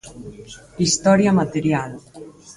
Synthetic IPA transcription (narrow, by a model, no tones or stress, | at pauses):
ist̪ɔɾjamat̪eɾjal